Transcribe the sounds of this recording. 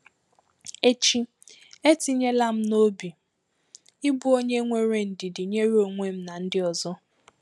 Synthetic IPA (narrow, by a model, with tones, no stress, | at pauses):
e˦t͡ʃi˦ | e˦ti˦ɲe˦la˦m̩˦no˦bi˨ | ɪ˦bu˦o˦ɲe˦ŋʷe˦ɾe˦n̩˨dɪ˨dɪ˨ɲe˦ɾi˦o˨ŋʷe˦m̩˦na˨n̩˦dɪ˦ɔ˨zɔ˦